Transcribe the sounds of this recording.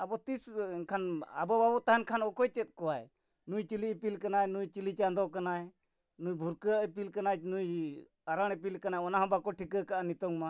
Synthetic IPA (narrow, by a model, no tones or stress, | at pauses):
abɔt̪iskʰana̰bɔbabɔt̪aɦankʰanɔkɔjt͡ʃɛt̪̚ˀkɔwaj | nujt͡ʃilipilkanajnujt͡ʃilit͡ʃand̪ɔkanaj | nujbʱuɾkəʔpilkanat͡ʃnuj | aɾaɽ̃ɛp̬ilkanajɔnaɦɔ̃bakɔʈʰikəkaʔanit̪ɔŋma